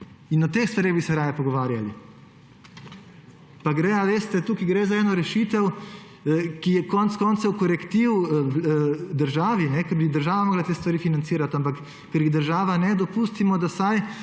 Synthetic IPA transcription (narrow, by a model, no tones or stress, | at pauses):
inɔt̪ːeːxst̪ʋaɾeɣbisɛɾaːjɛpɔɡɔʋaːɾjalḭ | paɡɾɛaʋeːst̪ɛt̪ukiɡɾezaɛːnɔɾɛʃit̪ɛw | kijɛkɔnt̪skɔːnt̪sɛwkɔɾɛkt̪iwwd̪əɾʒaːʋinɛkɐɾbid̪əɾʒaːʋamɔːɡlat̪eːst̪ʋaɾiːfinant̪siːɾat̪ampakː | ɛɾjiɣd̪əɾʒaːʋanɛd̪ɔpuːst̪imɔd̪asaj